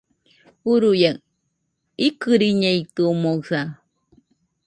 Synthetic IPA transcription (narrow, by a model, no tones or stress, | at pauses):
uɾuja | ikɨɾiɲejt̪uomosa